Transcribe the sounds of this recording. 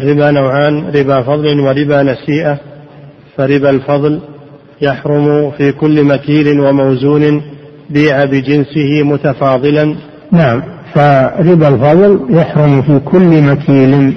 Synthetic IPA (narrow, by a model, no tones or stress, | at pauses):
ʔarːɪbaːnawʕaːnɾɪbaːfɑðˤlɪnwaɾɪbaːnasiːʔa | faɾɪbalfɑðˤl | jaħɾʊmʊfiːkʊlːmakiːlɪnwamawzuːnɪn | biːʕabɪd͡ʒɪnsɪhɪmʊt̪afɑːðˤɨlan | naʕamfaɾɪbalfɑðˤljaħɾʊmfiːkʰʊlːmakʰiːlɪn